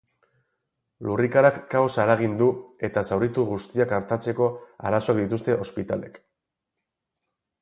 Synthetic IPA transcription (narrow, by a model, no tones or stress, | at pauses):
lurikaɾakːawsaeɾaɣind̪ue̞t̪asawɾit̪uɣ̞ust̪iakaɾt̪at͡se̞ko̞a̰ɾaso̞ak̚d̪it̪ust̪e̞ʔo̞spit̪ale̞̰k